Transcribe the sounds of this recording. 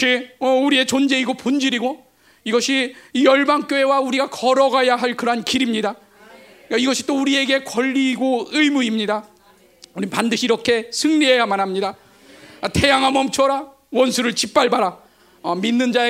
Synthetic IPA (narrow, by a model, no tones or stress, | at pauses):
iʌuɾie̞t͡ɕond͡ʑe̞iɡopond͡ʑiɾiɡo | iɡʌɕʰiːjʌɭbaŋk͈joewauɾiɡakʌɾʌɡajaɦaɭkɯɾʌɦankiɾimɲida | kaiɡʌɕʰi̥t͈ouɾie̞ɡe̞kʌʎːiːɡoɯjmuimɲida | uɾipandɯɕʰiːɾʌkʰe̞sʰɯŋniɦe̞jamanɦamɲida | tʰe̞jaŋɦamʌmt͡ɕʰʌɾa | wʌnsʰuɾɯɭt͡ɕip͈aɭbaɾa | ʌminːɯnd͡ʑae